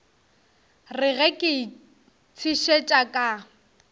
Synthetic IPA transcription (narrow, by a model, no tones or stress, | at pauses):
rɪɣɛkʼɪ | t͡sʰiʃet͡ʃʼakʼa